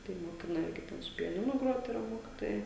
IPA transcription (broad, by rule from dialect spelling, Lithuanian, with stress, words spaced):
tɐɪ moːˈkʲɪnɐ ˈɪrʲɡʲɪ ˈtʲɛn sʊ pʲɛˈnʲɪnʊ ˈɡroːt ɪˈrɐ ˈmoːkʲɪtoːjɛɪ